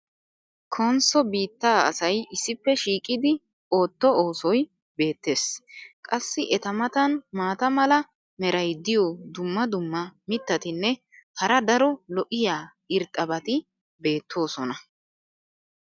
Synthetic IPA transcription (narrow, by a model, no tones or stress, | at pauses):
kʰɔnsɔbiːt̪ːaːɐ̰sɐjɪsːɪpːɛʃiːkʼɪd̪ɪ | o̞ːt̪ːɔoːsɔj | be̞ːt̪ːe̞ːskʼɐsːɪʔɛt̪ɐmɐt̪ɐnmaːt̪ɐmɐlɐ | mɛɾɐjd̪ɪjɔd̪ʊmːɐd̪ʊmːɐmɪt̪ːɐt̪ɪnːɛ | hɐɾɐd̪ɐɾɔlɔʔɪjaː | ɪɾt̪ʼːɐbɐt̪ɪ | be̞ːt̪ʰːo̞ːsɔnɐ